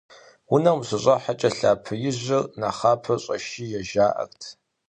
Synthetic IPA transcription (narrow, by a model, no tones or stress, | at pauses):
wʊnɐmɕɨɕʼɐħat͡ʃʼɐɬa̰ːpʰɨjɪʑʷɪrnaχaːpʰɐɕʼɐʃiːjɛʒaːʔɐ̰rtʰ